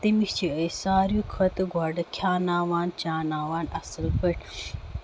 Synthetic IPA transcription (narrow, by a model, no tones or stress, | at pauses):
t̪imixt͡ʃʰiɐjsaːɾjukʰɐt̪ɐɡwaːɖɐkʰjaːnaːwaːnt͡ʃaːnaːwaːnɐsɐlpɐʈ